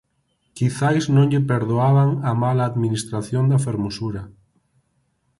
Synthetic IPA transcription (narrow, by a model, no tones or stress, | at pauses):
kiθajznõŋʎepeɾðoaβaŋamalaːðminist̪ɾaθjond̪afeɾmosuɾa